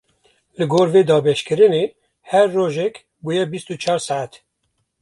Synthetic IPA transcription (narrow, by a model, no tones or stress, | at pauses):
lɨɡoːɾveːd̪ɑːbɛʃkɨɾɨneː | hɛɾːoːʒɛk | buːjɛbist̪ut͡ʃʰɑːɾsaʕat̪